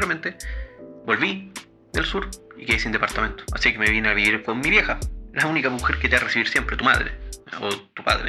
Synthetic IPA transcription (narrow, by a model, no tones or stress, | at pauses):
ɾament̪ebo̞lβi | ðelsuɾ | ikeesind̪epaɾt̪ame̞nt̪o̥asikeme̞βineaβiβiɾkonmiβje̞xalaunikamuxeɾket̪earesiβiɾsjempɾe̞t̪uma̰ðɾḛot̪upa̰ðɾḛ